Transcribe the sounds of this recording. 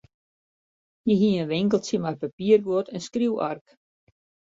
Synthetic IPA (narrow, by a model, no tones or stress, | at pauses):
jəɦiənʋɪŋkəlˠtjəmarpapiərɡotɛnskriwa̰rk